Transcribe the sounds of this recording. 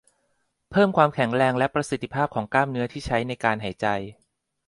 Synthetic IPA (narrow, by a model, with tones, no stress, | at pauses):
pʰɤː˥˩mkʰwaː˧mkʰɛ˨˩˦ŋɾɛː˧ŋlɛ˦˥pɾa˧si˨˩t̪ʰːi˦˥pʰaː˥˩p̚kʰɔː˩˦ŋklaː˥˩mnɯ˦˥ɐt̪ʰiː˥˩t͡ɕʰa˦˥jna˧jkaː˧nɦa˩˦jt͡ɕa˧j